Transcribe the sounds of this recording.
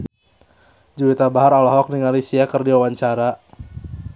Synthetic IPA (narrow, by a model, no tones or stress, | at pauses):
d͡ʒuwit̪abaɦaɾɔlɔɦɔk̚niŋalisiakərdiwawaɲt͡ʃaɾa